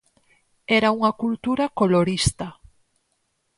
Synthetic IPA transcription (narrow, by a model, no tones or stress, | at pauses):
ɛɾauŋɐkult̪uɾɐkoloɾist̪ɐ